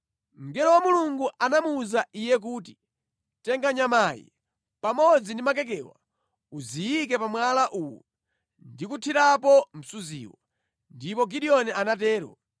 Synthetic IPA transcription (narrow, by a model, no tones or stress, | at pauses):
m̩ɡɛɾɔwamuluŋɡuʔanamuːzaijɛk̬uːti̥ | tɛŋɡaɲamaːjḭ | pamɔd͡zindimak̬ɛk̬ɛwa̰ | uzijikɛpamwalaʔuwɔ | ndikutʰiɾapɔm̩suzḭːwɔ̰ | ndipɔɡiɗiɔnɛʔanatɛːɾɔ̰